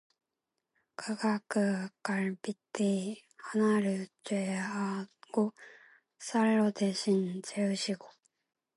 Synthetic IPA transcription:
kʰaɡakɯkaɾpit̪ːeihanaɾɯt͡ɕeaɡ̥o | saɭːot̪eɕint͡ɕeɯɕiɡo

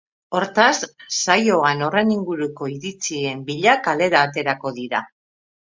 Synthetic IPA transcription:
o̞ɾt̪asːajo̞ano̞reniŋɡuɾuko̞iɾit͡sie̞mbiʎakale̞ɾaːt̪e̞ɾako̞ðiɾa

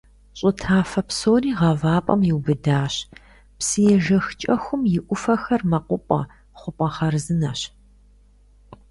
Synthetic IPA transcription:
ɕʼʊtʰaːfɐpsoːniːʁɐvaːpʼɐ̰mjɪwbɨdaːɕ | psɨjɛʒɐxt͡ʃʼɐxʷʊmjɪʔʷʊfɐxɐrmɐqʷʊpʼɐ̰ | χʷʊpʼɐχɐrzɨnɐɕ

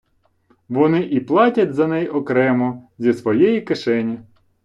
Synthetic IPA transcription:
ʋɔnɪʔiplˠɑtʲɐtʲzɐnɛjɔkɾɛmɔzʲisʋɔjɛjikeʃɛnʲi

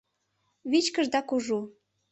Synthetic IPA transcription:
βit͡ɕkə̆ʒd̪ɑkuʒu

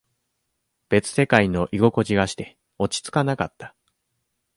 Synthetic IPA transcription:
b̥e̞t͡sɨ̥se̞kaino̞ʔiɡo̞ko̞ʑiɡaɕi̥t̪e̞ | o̞t͡ɕi̥t͡sɨ̥kanakat̪ːḁ

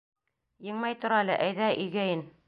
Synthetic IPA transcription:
jɤ̆ɴmɑjt̪ŏɾɑlɘʔæjðæʔɵ̆jɡæjɘn

